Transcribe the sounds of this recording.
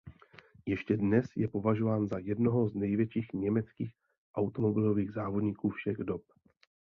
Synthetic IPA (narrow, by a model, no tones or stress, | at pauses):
jɛʃcɛdnɛsjɛpo̞vaʒo̞vaːnzajɛdno̞ɦo̞znɛjvjɛt͡ʃiːxɲɛmɛt͡skiːx | ʔawt̪o̞mo̞bɪlo̞viːɣzaːvo̞dɲiːkuːfʃɛɣdop̚